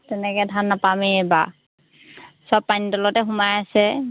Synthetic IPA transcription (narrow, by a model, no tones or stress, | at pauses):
tɛnɛkɛdʱanːapameɛba | sɔpːaɲitɔlɔtɛɦʊmajasɛ